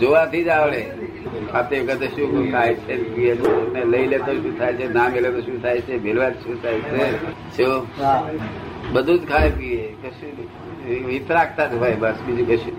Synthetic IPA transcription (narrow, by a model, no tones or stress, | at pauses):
d͡ʒoʋat̪ʰid͡ʒaʋɭe | kʰat̪eʋkət̪oʃũkʰajt͡ʃʰepiet͡ʃʰoneləilet̪oʃũt̪ʰajt͡ʃʰenamelet̪oʃũt̪ʰajt͡ʃʰebʱelʋat̪ʃũt̪ʰajt͡ʃʰe | t͡ʃʰo | bəd̪ʱũd͡ʒkʰajpiekəʃu | ʋit̪ɾak̚ʰt̪at̪oɦajbəsbid͡ʒukəʃũ